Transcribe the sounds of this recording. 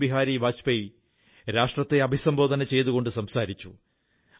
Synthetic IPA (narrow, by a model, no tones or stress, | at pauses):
biɦaːɾibaːt͡ɕpej | ɾaːʂʈrɐt̪ːe̞ɐbʱisɐmbʱo̞ːd̪ʱɐnɐt͡ɕe̞jt̪uɣo̞ɳɖɨsɐmsaːɾit͡ɕːu